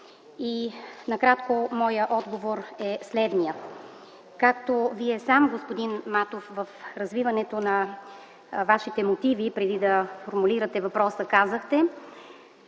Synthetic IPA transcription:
inɐkɾat̪komɔjəʔɔd̪ɡovoɾɛslɛd̪nijə | kak̚t̪oviɛsamɡospod̪inmat̪ofvəfɾɐzvivɐnɛt̪onɐ | vaʃit̪ɛmot̪ivipɾɛd̪id̪ɐfoɾmuliɾət̪ɛvɐpɾɔsəkazəxt̪ɛ

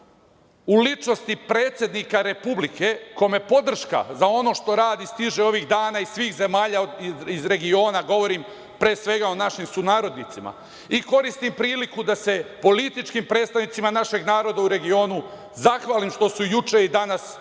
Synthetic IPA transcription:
ulit͡ʃno̞st̪ipɾe̞ːt̪sje̞d̪nikaɾe̞publike̞ko̞jme̞po̞d̪r̩ʃka̰zao̞no̞ʃt̪o̞ɾaːd̪ist̪iʒeo̞ʋiɣd̪aːnaisʋiːxze̞maːʎaizɾe̞ɡio̞ːnaɡo̞ʋo̞ɾim | pɾeːsʋe̞ɡao̞naʃimsunaːɾo̞d̪nit̪sima̰ | iko̞ɾist̪impɾiːlikud̪ase̞po̞lit̪it͡ʃkimpɾet̪st̪aʋnit̪simanaʃe̞ɡnaːɾo̞d̪auɾe̞ɡio̞ːnu | zaxʋaːlimʃt̪o̞sujut͡ʃe̞id̪anas

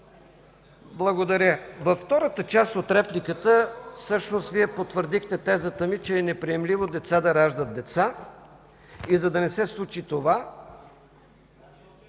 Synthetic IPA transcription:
blˠɐɡod̪ɐɾʲəvɐfːt̪ɔɾət̪ət͡ʃast̪ot̪ɾɛplikət̪əfsɤʃnost̪viɛpot̪vəɾd̪ixt̪ɛt̪ɛzət̪əmit͡ʃɛːnɛpɾiɛmlivod̪ɛt̪sad̪ɐɾaʒd̪ət̪̚d̪ɛt̪sa | izɐd̪ɐnɛsɛslˠut͡ʃit̪ova

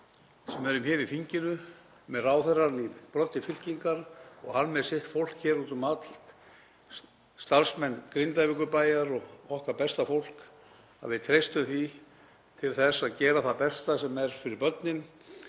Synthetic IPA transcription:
sɛmɛɾʏmhɛːvɪfiɲcɪnʏ | mɛðraːwθɛrːanipɾɔt̪ːɪfɪl̥ciŋkaɾɔɣhanːmɛðsɪht̪fowl̥kçɛːɾuːt̪ʏmat̪l̥t̪ | st̪aɾsmɛnːkɾɪnt̪ajvɪkʏpaːjaɾɔɣɔhkapɛst̪afowl̥k | a̰ðvɪðt̪ʰɾejst̪ʏmθi | t̪ʰɪlθɛsːaðcɛːɾaθapɛst̪asɛmɛɾ̥fɪɾɪɾpœt̪nɪn

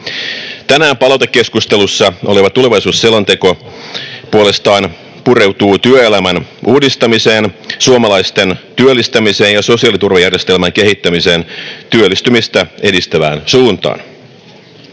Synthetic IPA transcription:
t̪ænæːmpɑlɑwt̪ekːe̞skust̪e̞lusːɑoleʋɑt̪ule̞ʋɑisuːsːelɑnt̪e̞ko̞ | puole̞st̪ɑːn | puɾe̞wt̪uːt̪yøelæmænʔuːdist̪ɑmise̞ːnsuomɑlɑjst̪e̞nt̪yølːist̪æmise̞ːnjɑso̞siɑlit̪urʋɑjærje̞st̪e̞lmæŋke̞ɦit̪ːæmise̞ːnt̪yølːist̪ymist̪æe̞dist̪æʋæ̰ːnsuːnt̪ɑ̰ːn

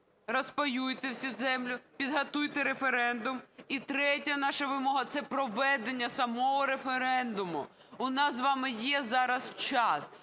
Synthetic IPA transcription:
rɔspɔjujt̪ewsʲɐzɛmlʲʊpʲid̪ɦɐt̪ujt̪eɾefeɾɛnd̪ʊmit̪ɾɛtʲɐnɑʃɐʋɪmɔɦɐt̪sɛpɾɔʋɛd̪enʲːɐsɐmɔɦɔɾefeɾɛnd̪ʊmʊ | ʊnɑsʋɑmɪjɛzɑɾɐst͡ʃɑs

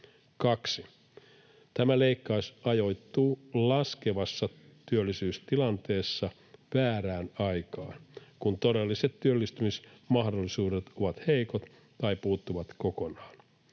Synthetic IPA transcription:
kɑksi | t̪æmæleikːɑusɑjo̞jt̪ːuːlɑskeʋɑsːɑ | t̪yølːisyːst̪ilɑnt̪e̞ːsːɑ | ʋæːɾæːnɑjkɑːnkunt̪o̞delːiset̪tyølːist̪ymismɑhdolːisuːdet̪o̞ʋɑt̪heikot̪ | t̪ɑipuːt̪ːuʋɑt̪ko̞ko̞nɑːn

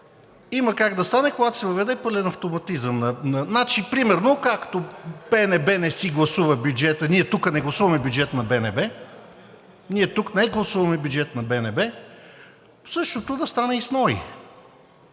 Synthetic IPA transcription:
imɐkaɡd̪ɐst̪anɛkoɡat̪o̥sɛvɐvɛd̪ɛpɤlʲɛnɐft̪omɐt̪izəmnɐnɐnat͡ʃipɾimɛɾnokakt̪opɛnɛbɛnɛsiɡlˠɐsuvɐbʲjud͡ʒɛt̪əniɛt̪ukənɛɡlˠɐsuvɐmɛbʲjud͡ʒɛt̪nɐbɛnɛbɛ | niɛt̪uknɛɡlˠɐsuvɐmɛbʲjud͡ʒɛt̪nɐbɛnɛbɛ | sɤʃt̪ot̪od̪ɐst̪anɛisnɔḭ

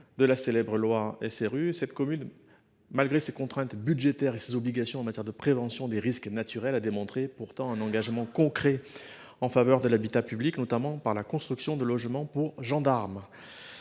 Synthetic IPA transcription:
d̪əlaselɛbʁəlwaɛ̰seʁysɛt̪kɔmyn | malɡʁesekɔ̃t̪χɛ̃t̪byd̪ʒet̪ɛʁesezɔbliɡasjɔ̃ɑ̃mat̪jɛʁd̪əpχevɑ̃sjɔ̃d̪eʁisknat̪yʁɛlad̪emɔ̃t̪χepuʁt̪ɑ̃ɛ̃nɑ̃ɡaʒmɑ̃kɔ̃kχɛ | ɑ̃favœʁd̪əlabit̪apybliknɔt̪amɑ̃paʁlakɔ̃st̪χyksjɔ̃d̪əlɔʒmɑ̃puʁʒɑ̃d̪aʁm

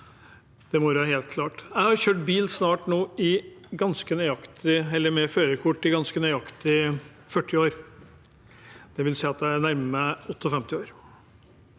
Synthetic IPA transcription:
d̪̥ɛmɔɾæheːlt̪kʰlɑːʈæɪhɑɾçøːʈ̚biːlsnɑːʈnoːɪɡɑnskənœʏɑkt̪ʰɪɛlːəɾmɛføːɾəkʰʊʈːɪɡɑnskənœʏɑkt̪ɪ | fœʈʰːɪoːɾ | d̪̥ɛʋɪlsiːɑt̪æɪænæɾməmæɔt̪ːɔfɛmt̪ɪoːɾ

